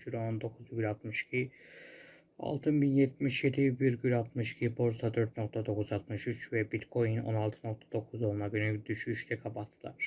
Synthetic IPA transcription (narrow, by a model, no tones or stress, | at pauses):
t͡ʃyɾo̞nd̪o̞kʰuzbʲylʲat̪mɯʃcʰi | a̰lˠt̪ʰɯnbinjɛt̪̚miʃje̞d̪ibiɾɟylʲat̪mɯʃcʰibo̞ɾsad̪øɾt̪̚no̞k̚t̪ʰad̪o̞kʰuzat̪mɯʃyt͡ʃvɛbit̪kʰo̞jyno̞̰nalˠt̪ʰɯno̞k̚t̪ʰḁd̪o̞kʰuzolˠunaɡynyd̪yʃyʃt̪ʰɛkʰabat̪ʰːɯlˠa̰ɾ